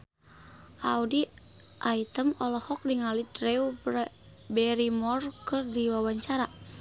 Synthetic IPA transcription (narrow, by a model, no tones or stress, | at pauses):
ʔaudi | ʔait̪əmɔlɔhɔk̚diŋalidɾɛw | bɛɾimɔrkɨrdiwawaɲt͡ʃaɾa